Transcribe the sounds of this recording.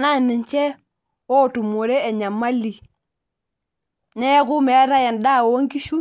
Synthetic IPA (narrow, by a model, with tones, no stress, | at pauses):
na˦˨nɪ˨ɲt͡ʃɛ˦ | wɔ˦˨tu˨mo˨ɾe˦ɛ˨ɲa˨mːa˦lːi˨ | nɛ˦ɡu˦me˨˦ɾa˦jɛ˨nda˦˨wo˨wo˦ŋki˦ʃu˦